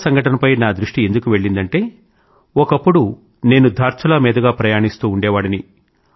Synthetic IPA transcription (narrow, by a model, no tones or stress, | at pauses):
sɐŋɡʱɐʈɐnɐpɐjnaːd̪ɾuʂʈie̞nd̪ukuʋe̞ɭːind̪ɐɳʈe̞ː | ɔkɐpːuɽu | ne̞ːnud̪ʱaːɾt͡ʃ̪ʰɐlɐmɛːd̪ɐɡaːpɾɐjaːɳist̪uːɳɖɛːʋaːɽini